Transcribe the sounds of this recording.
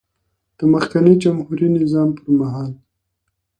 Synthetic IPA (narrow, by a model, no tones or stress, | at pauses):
d̪̥əməxkanəd͡ʒamhuɾinɪzɑmpəɾmaɦɑl